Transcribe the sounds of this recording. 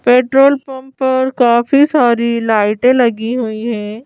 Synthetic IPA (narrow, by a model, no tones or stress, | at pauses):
peːʈɾoːlpɐ̃mːɐɾkaːfisaːɾilaːɪʈẽlɐɡiɦuiɦɛ̃ː